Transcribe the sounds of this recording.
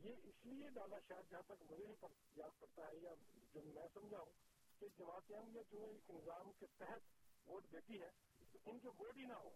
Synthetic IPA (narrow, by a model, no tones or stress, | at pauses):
jeːɪslied̪aːlaʃaɦɾd͡ʒɐɦãt̪ɐkmʊd͡ʒʱebipɐɾ | jaːd̪̚pɐɽt̪aɦɛjad͡ʒoːmɛ̃ːsɐ̃md͡ʒʱaːũ | ked͡ʒɐmaːt̪aːmjat͡ʃõːeːkɪnzaːmket̪ɛɦɛt̪ʋoːʈd̪eːt̪iɦɛː | ɪnkeʋoːʈɦinaɦoː